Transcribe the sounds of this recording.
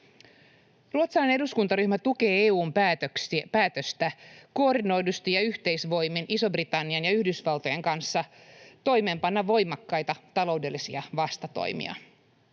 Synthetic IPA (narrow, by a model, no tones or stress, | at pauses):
ruot̪sɑlene̞duskunt̪ɑɾyçmæt̪uk̟e̞ːeːuːmpæːt̪økspæːt̪øst̪æko̞ːrdino̞jdust̪ijɑyçt̪e̞jsʋo̞jminiso̞brit̪ɑnːiɑnjɑyhdysʋɑlt̪o̞jeŋkɑnsːɑ | t̪o̞jme̞ːmpɑnːɑʋʋo̞jmɑkːɑjt̪ɑt̪ɑlo̞wde̞lːisiɑʋɑst̪ɑt̪o̰jmḭɑ̰